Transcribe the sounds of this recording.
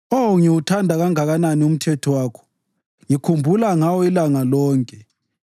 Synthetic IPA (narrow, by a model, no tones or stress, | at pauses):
oŋiwutʰandʱaɣaŋaɣananium̩tʰɛtʰɔwaːkʰɔ̥ | ŋikʰumbʱulaŋawɔilaŋalɔːŋkʼɛ